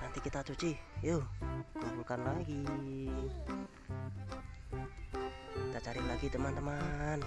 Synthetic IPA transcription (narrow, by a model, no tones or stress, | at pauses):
nant̪ikit̪at͡ʃut͡ʃijokoɾukanlaiɡi | t̪at͡ʃaɾiʔlaɡit̪əmant̪əman